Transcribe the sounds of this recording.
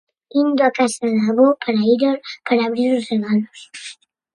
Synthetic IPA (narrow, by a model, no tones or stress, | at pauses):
ind̪oakasaðlaβopaɾaiɾolpaɾaːβɾiɾoseɣanos